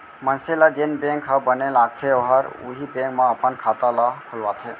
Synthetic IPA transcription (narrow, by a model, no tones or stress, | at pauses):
mənselad͡ʒenbẽːŋkɦəbənelaːɡ̚t̪ʰeoɦaɾʊ̰ɦibẽːŋkmãɐpənkʰaːt̪alakʰʊlʋaːt̪ʰeː